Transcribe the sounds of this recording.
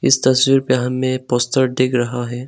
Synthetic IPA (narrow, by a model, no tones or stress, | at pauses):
ɪ̰st̪ɐswiɾpeɦɐmːẽpoːst̪əɾd̪eːkʰɾɐɦaɦɛː